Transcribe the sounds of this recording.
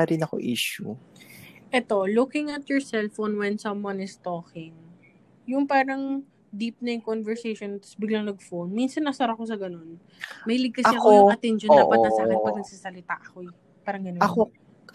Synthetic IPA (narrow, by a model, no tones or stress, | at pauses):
aɾɪnɐko̰ʔḭːʃʊ | ʔɛt̪o̞lukɪŋɐt̪jɔɹsɛlfonwɛnsɐmwɐ̃nɪst̪oːkɪŋ | jʊŋpaːɾɐŋ | d̪ip̚nɐjʊŋkonvɛɹsejʃont̪ɐ̥sbɪɡlaŋnɐɡ̚fownminsɐnːɐsɐɾako̞s̬ɐɡɐno̞n | mɐjlɪɡ̚k̪ɐsɐɐoɐɐt̪ɛnʃond̪aːʔpɐt̪nɐsakɐpɐɡ̚nɐɡ̚sasɐlɪt̪a̰ʔɐko̞ɛ | paːɾɐŋɡɐnɐko